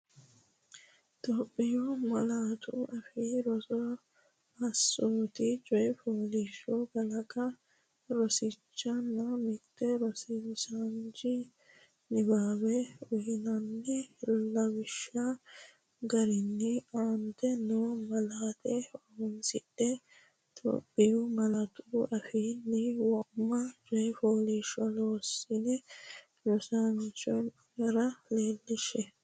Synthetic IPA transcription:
t̪oːpʼːɪjomɐlaːt̪ʰʊɐfɪɾɔsɔ | ɐsːoːt̪ɪt͡ʃʼɔjpoːliʃɔɡɐlɐkɐ | ɾɔsɪt͡ʃːɐnːɐmɪkt̪ːɛɾɔsɪsand͡ʒɪ | nɪbaːbɛʊjɪnɐnːɛlɐbɪʃːa | ɡɐɾɪnːɪaːnt̪ɛnoːmɐlaːt̪ɛɔɡʊnsɪɗɛ | t̪ʰo̰pːɪjʊmɐlat̪ʊʊʔɐfiːnːɪwɔʔmːɐd͡ʒɔjfoːliʃɔloːsɪnɛ | lɔsant͡ʃɔn | jɐɾɐleːlːɪʃɛ

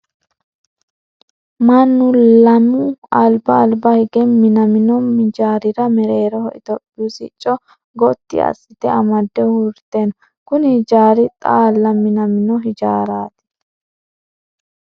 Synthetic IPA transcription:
mɐnːʊlɐmʊɐlbɐːlbɐhɛɡɛmɪnɐmɪnɔmɪd͡ʒaːɾɪɾɐmɛɾeːɾɔhɔʔɪt̪ɔpʼːɪsɪ̰t͡ʃʼːɔ | ɡɔt̪ːɪ̰ɐ̰sːɪt̪ɛɐmɐd̪ːɛhuɾt̪ːenɔ | kʊnɪhɪd͡ʒaːɾɪt̪ʼaːlːɐmːɪnɐmɪnɔɦɪd͡ʒaːɾaːt̪ɪ̥

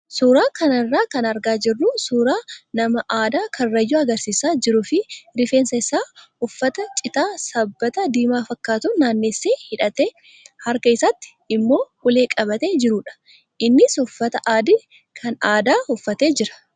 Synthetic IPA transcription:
suːɾaːkɐnɐrːaːkɐnɐɾɡaːd͡ʒɪrːusuːɾaːnɐmɐʔaːd̪aːkʰɐnːɐjːuːɐɡɐɾsiːsaːd͡ʒɪɾʊfɪɾɪfeːnsɐɪsaː | ʊfːɐt̪ɐt͡ʃʼɪt̪aːsɐbːɐt̪ɐd̪iːmaːfɐkːaːt̪ʊnːaːnːeːsːeːhɪᶑɐt̪eː | hɐɾkɐɪsɐt̪ːɪ̥ | ɪmːo̞ːhʊle̞ːkʼɐbɐt̪e̞ːd͡ʒɪɾuːᶑɐ̥ | ʔɪnːɪsʊfːɐt̪ɐʔaːd̪ɪ | kʰɐnaːd̪aːhʊfːɐt̪e̞ːd͡ʒɪɾɐ̥

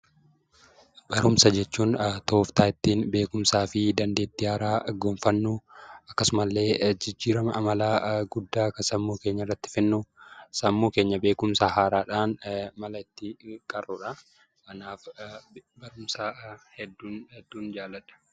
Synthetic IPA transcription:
b̥ɐɾʊmsɐd͡ʒɛt͡ʃːuːnt̪oːft̪aːɪt̪ːiːnbe̞ːkʊmsaːfɪd̪ɐnd̪e̞ːt̪ːɪhaːɾaːɡoːɱfɐnːuʔɐkːɐsʊmɐlːe̞ːd͡ʒɪd͡ʒːiːɾɐmɐʔɐmɐlaːɡʊd̪ːaːkɐsɐmːuːke̞ːɲːɐɪrːɐt̪ːɪ̥fɪnːʊsɐmːuːke̞ːɲːɐbe̞ːkʊmsahaːɾaːᶑaːnmɐlɐɪt̪ːɪkʼɐrːʊᶑɐ | kɐnaːf | bɐɾʊmsɐhɛd̪ːuːnɛd̪ːuːnd͡ʒaːlːɐᶑɐ̥

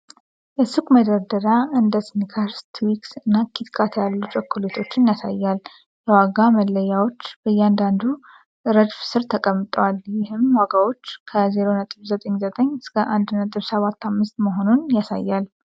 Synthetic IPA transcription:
ʔɨsɨkʼməd̪əɾd̪əɾaɨnd̪əsnikʰaɾst̪ʰwiksɨnːakʰit̪kʰʼat̪ʰjalːut͡ʃʼɛkʰːulet̪ʰo̞t͡ʃːɪnjasa̰jːal | jɛwaɡaməlːəjawo̞t͡ʃːb̥əjːɛand̪and̪u | ʔɨɾəd͡ʒfsɨɾt̪ʰəkʼəmːɨt̪ʼəwaljɪhɨmwaɡawo̞t͡ʃːkʰəzeɾo̞nət̪ʼɨβzət̪ʼəɲːzət̪ʼəɲːɨskʰəʔand̪nət̪ʼɨβsəβat̪ːamːɨst̪məɦo̞nunjasa̰jːal

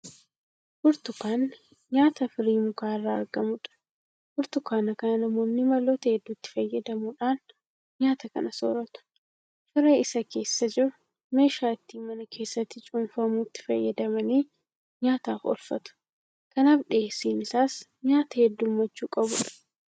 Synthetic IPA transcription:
fʊɾt̪ʊkaːn | ɲaːt̪ɐfɪɾiːmʊkaːrːaːɐɾɡɐmʊᶑɐ̥ | fʊɾt̪ʊkaːnɐkɐnɐnɐmo̞ːnːɪmɐlːoːt̪ɐhɛd̪ːuːt̪ːɪ̥fɐjːɐd̪ɐmuːᶑaːn | ɲaːt̪ɐkɐ̰nɐso̰ːɾɐt̪ʊ̥ | fɪɾeːɪsɐke̞ːsːɐd͡ʒɪɾʊ | me̞ːʃaːɪt̪ːiːmɐnɐkʰe̞ːsːɐt̪ːɪt͡ʃʼʊnfɐmuːt̪ːɪ̥fɐjːɐd̪ɐmɐniː | ɲaːt̪aːfɔ̰lfɐ̰t̪ʊ̥ | kɐnaːfᶑɪeːsiːnɪsaːs | ɲaːt̪ɐhɛd̪ːuːmːɐt͡ʃːuːkʼɐbʊᶑɐ̥

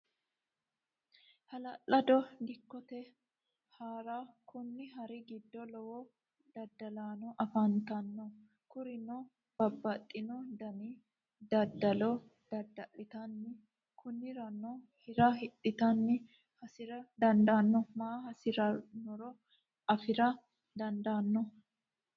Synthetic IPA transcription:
hɐlɐlːɐd̪ɔɡɪkːɔt̪ɛ | haːɾakʊnːɪɦɐɾɪɡɪd̪ːɔlɔwɔ | d̪̥ɐd̪ːɐlaːnɔʔɐfɐnt̪ɐnːɔ | kʊɾɪnɔ | b̥ɐbːɐt̪ʼːɪnɔd̪ɐnɪ | d̪ɐd̪ɐlɔ | d̪̥ɐd̪ːɐʔːɪt̪ɐnːɪ | kʰʊnːɪɾɐnːɔhɪɾɐɦɪt̪ʼːɪt̪ɐnːɪ | hɐsɪɾɐd̪ɐnd̪anːɔmaːɦɐsɪɾɐnɔɾɔ | ɐfɪɾɐ | d̪ɐnd̪aːnːɔ

